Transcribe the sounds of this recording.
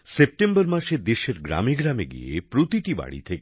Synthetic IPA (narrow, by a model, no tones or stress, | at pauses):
sep̚ʈembəɾmaʃed̪eʃeɾɡɾa̰meɡɾameɡḭjḛpɾot̪iʈiba̰ɽḭt̪ʰek